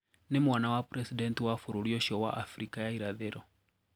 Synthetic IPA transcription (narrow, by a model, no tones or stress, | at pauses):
nimwanawapɾɛsidɛntiwafuɾuɾiɔʃɔwa̰ʔafɾikajaiɾaðɛɾɔ